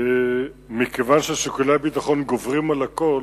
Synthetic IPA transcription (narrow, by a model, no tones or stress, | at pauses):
mikevanʃeaʃekulabit̪aχo̞nɡovʁimalako